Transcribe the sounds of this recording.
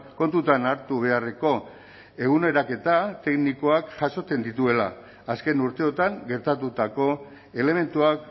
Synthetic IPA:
ko̞nt̪ut̪anaɾt̪uβ̞e̞areko̞ | e̞ɣ̞une̞ɾake̞t̪at̪e̞knikoakʝaso̞t͡s̪e̞nd̪it̪ue̞la̰ː | ske̞nuɾt̪e̞o̞t̪aŋɡe̞ɾt̪at̪ut̪ako̞ | e̞le̞me̞nt̪uak

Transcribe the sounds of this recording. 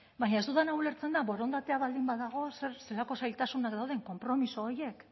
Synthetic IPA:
baɲae̞zt̪uðanawle̞ɾt͡se̞nd̪aβo̞ɾo̞nd̪at̪e̞aβald̪imbaðaɣo̞seɾse̞lako̞sajlt̪asunakd̪awð̞e̞ŋko̞mpɾo̞miso̞ːje̞k

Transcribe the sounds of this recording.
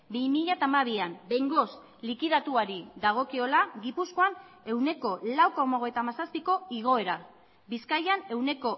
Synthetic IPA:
bimiʎat̪amaβ̞iambe̞jŋɡo̞s | likiðat̪uaɾiðaɣ̞o̞kio̞laɣipusko̞an | e̞wne̞ko̞lawko̞maoɣ̞e̞jt̪amasaspiko̞iɣ̞o̞e̞ɾa | biskajane̞wne̞ko̞

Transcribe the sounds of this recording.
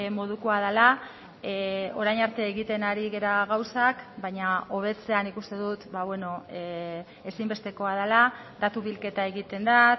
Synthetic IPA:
mo̞ð̞ukoaðala | o̞ɾajnaɾt̪e̞ːɣit̪e̞naɾiɣe̞ɾaɣawsakbajɲao̞β̞e̞t͡se̞anikust̪e̞ðut̪baβwe̞no̞ | e̞simbe̞st̪e̞ko̞aðala | d̪at̪uβilke̞t̪ae̞ɣit̪e̞nd̪a

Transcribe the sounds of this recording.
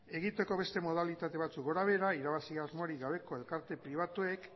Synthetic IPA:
e̞ɣ̞it̪e̞ko̞βe̞st̪e̞mo̞ð̞alit̪at̪e̞βat͡suk̚ɡo̞ɾaβ̞e̞ɾaiɾaβasiazmoɾiɣaβ̞e̞ko̞e̞lkaɾt̪e̞pɾiβ̞at̪ue̞k

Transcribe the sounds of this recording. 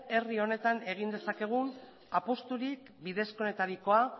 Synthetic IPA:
e̞rio̞ne̞t̪ane̞ɣ̞ind̪e̞sake̞ɣ̞un | apost̪uɾik | biðe̞sko̞ne̞t̪aɾiko̞a

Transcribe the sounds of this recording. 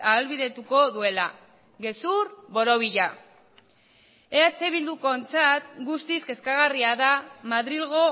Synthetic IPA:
aːlβiðe̞t̪uko̞ðue̞la | ɣe̞suɾβo̞ɾo̞β̞iʎa | eat͡se̞βild̪uko̞nt͡sat̪ɡust̪iske̞skaɣariaðamaðɾilɣ̞o̞

